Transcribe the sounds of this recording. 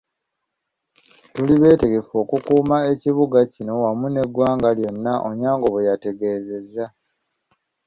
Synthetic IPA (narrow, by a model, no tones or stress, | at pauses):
tuliβe̞ːte̞ɡe̞fo̞ːkukuːmae̞ciβuɡacino̞wamune̞ɡwaːŋɡaljo̞nːaʔo̰ɲaːŋɡo̞βejate̞ɡe̞ːze̞zːa